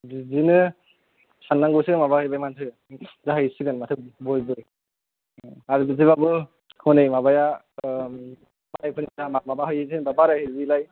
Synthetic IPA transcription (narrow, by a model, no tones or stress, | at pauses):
dizinɯ | sanːaŋɡɔsɯɯmabahɯjbajmantʰɯ | zaɦajsɯɡɯnmatʰɯbɔjbɯj | aɾɯbɯziβabɯ | hɔnejmabaja | baajpʰɯnizaamabaɦɯjɯzinbabaɾɯhɯbilaj